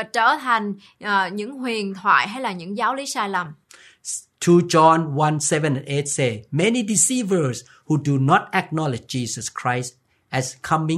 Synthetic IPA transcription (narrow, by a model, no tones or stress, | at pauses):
at͡ɕə̰ːt̪ʰajŋ̟ | ʔːɲɨ̰ŋhwiənt̪ʰwa̰ːjɦajlaːɲɨ̰ŋzaːwlisaːjlam | tʰud͡ʒɔ̃nwãnsɛvə̃nɛ̃net̚semɛnidisivə˞s | hudunɔt̚ɛk̚nɔlɪd͡ʒd͡ʒisəskʰɹajst | ɛskʰʌmĩ